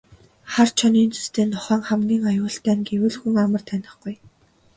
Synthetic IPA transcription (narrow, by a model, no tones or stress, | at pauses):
χart͡ɕʰɔniːnt͡sʰu̥st̪ʰeːnɔχœːŋχæmɡʲiːŋajʊːɬt̪æːnɡewɘ̆ɮxuŋamə̆r̥t̪ʰænʲɪ̆χɡuj